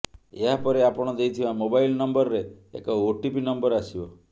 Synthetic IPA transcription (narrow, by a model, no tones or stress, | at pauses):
eɦapɔɾeapɔɽ̃ɔd̪ejt̪ʰibamobajlnɔmbɔɾɾeḛkɔoʈipinɔmbɔɾasibɔ